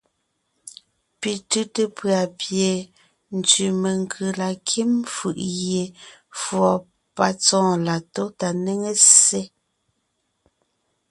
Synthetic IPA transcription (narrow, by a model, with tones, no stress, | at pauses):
pi˨tʉ˦te˦pɰa˨pje˨ | n̩˨t͡ʃʉ˨me˨ŋ˨kʰɯ˨la˨kʰi˦mfɯ̰˨ʔɣje˨fwɔ˨ | pa˨t͡sɔ̃ː˦˨la˨to˦ta˨ne˦ŋe˦se˦